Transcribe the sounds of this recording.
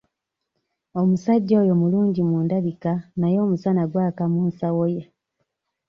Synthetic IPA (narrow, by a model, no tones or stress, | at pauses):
omusaɟːoːjo̞muluːɲɟimuːndaβikanajo̞ːmusanaɡwaːkamuːnsawoja